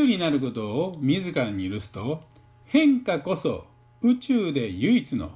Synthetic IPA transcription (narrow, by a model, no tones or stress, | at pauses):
ɯɾʲinaɾɯ̟ko̞t̪o̞ːmʲizɨkaɾaɲ̟iiɾɯ̟sɨ̥t̪o̞ | hẽ̞ŋkako̞so̞̰ | ɯ̟t͡ɕɨːd̪e̞jɯit͡sɨno̞̰